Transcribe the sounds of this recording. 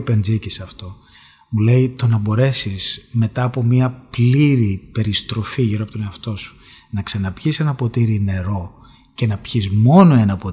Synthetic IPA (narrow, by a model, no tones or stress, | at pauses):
pe̞nd͡zicisɐft̪o̞ | mule̞it̪o̞nɐbo̞ɾe̞siz̥me̞t̪ɐːpo̞miɐpliɾipe̞ɾist̪ɾo̞fiʝiɾopot̪one̞ɐft̪o̞su̥ | nɐksɐnɐpçise̞nɐpo̞t̪iɾine̞ɾo̞ | ce̞nɐpçizmo̞no̞e̞nɐpo